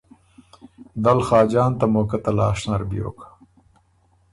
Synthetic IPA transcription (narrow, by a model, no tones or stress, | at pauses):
d̪ɐlxɑːd͡ʒɑːnt̪ɐmoːkat̪ɐlaːʂnɐɾbjo̰ːkḁ